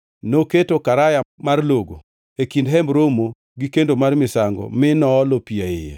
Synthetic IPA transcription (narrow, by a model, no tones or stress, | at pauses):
noketokaɾajamarloɡo̰ | ekindɦɛmbɾomo | ɡikendomarmɪsaŋɡɔ̰mɪnɔːlopiaɪ̰jḛ